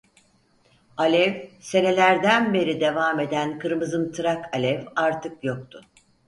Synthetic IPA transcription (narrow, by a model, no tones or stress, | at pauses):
alʲɛvse̞ne̞lʲæɾd̪ænbe̞ɾid̪e̞vaːme̞d̪ænkʰɯɾmɯzɯmt̪ʰɯɾakʰalʲɛvaɾt̪ʰɯkjo̞k̚t̪ʰʊ